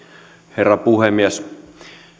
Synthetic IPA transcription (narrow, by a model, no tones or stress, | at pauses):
herːɑpuhemːies